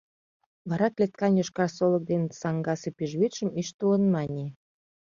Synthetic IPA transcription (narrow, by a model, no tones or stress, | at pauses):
βɑɾɑklet̪̚kɑnjoʃkɑrsolək̚d̪ensɑŋɡɑsepiʒβit̪ʃəmiʃt̪uənmɑnʲe